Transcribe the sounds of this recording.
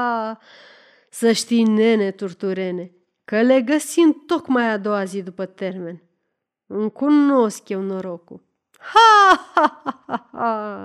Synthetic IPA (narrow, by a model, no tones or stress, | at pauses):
a | səʃt̪ijnenet̪urt̪uɾene̞ | kəle̞ɡəsint̪okmajad̪o̞wazid̪upət̪erme̞n | ɨŋkunoskjewnoɾoku | haahaa